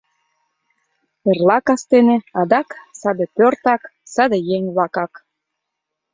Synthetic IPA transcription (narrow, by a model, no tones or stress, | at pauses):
erlɑkɑst̪enĕɑd̪ɑksɑd̪epørt̪ɑksɑd̪ejeŋʲβlɑkɑk